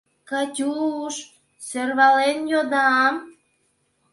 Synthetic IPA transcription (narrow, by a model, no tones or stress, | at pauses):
kɑtʲuʃ | sørβɑlenjod̪ɑm